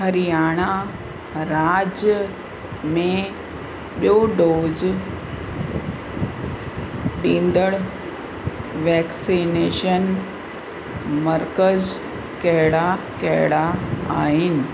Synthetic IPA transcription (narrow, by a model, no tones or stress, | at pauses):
ɦɐɾijaːɽ̃a | ɾaːd͡ʑjə | mẽ | ɓjoɖoːz | ɗĩːnd̪əɽ | ʋɛːksineːʃən | mɐɾkəz | kɐɦɪɽa | kɐɦɪɽaaːɦɪnɪ̆